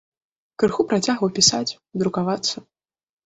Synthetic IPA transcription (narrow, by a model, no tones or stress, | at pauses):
kɾɨxupɾat͡sʲaɣvɐwpʲisat͡sʲ | d̪ɾukavat̪sːɐ